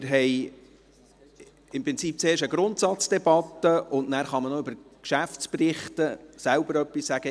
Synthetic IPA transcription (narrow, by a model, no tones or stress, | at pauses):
ɪɾɦɛj | ɪmpɾɪnt͡siːp̚t͡seːʃəɡɾʊntsɑt͡sd̥ɛb̥ɑtːəʊnnæːɾχɑmənɔʏbəɾkʃæftt͡sprɪχtəsælb̥əɾœpːissæɡ̥ə